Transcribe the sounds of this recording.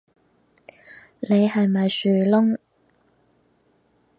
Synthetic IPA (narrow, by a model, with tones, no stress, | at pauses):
ne˨˧jɦɐ˨jmɐ˨jsyː˨˩lʊ˥ŋ